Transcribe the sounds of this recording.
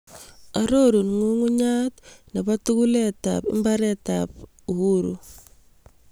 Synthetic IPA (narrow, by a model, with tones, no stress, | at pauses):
aɾo˦ɾu˨nŋu˦ŋu˦ɲa˦tne˨βa˦tu˦ku˦leta̰pɪ̰˦mba˦ɾeta̰p | u˨hu˦ɾṵ˨